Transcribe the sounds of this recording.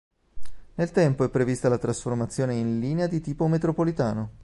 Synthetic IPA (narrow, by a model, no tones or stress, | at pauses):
nelt̪ɛmpoɛpːɾevist̪alat̪ɾasformat̪sːjoːneinliːnead̪it̪iːpomet̪ɾopolit̪aːno